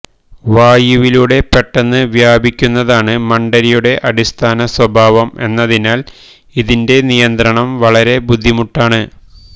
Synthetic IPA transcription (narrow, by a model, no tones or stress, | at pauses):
ʋaːjuʋiluɽe̞peʈːɐnːɨʋjaːbikʲːunːɐðaːɳɨmɐɳɖɐɾijuɽe̞ʔɐɽist̪ʰaːnɐswɐbʱaːʋɐme̞̰nːɐðinaːl | iðinde̞nijɐnd̪ɾɐɳɐmʋɐɭɐɾe̞bud̪ʱːimuʈːaːɳɨ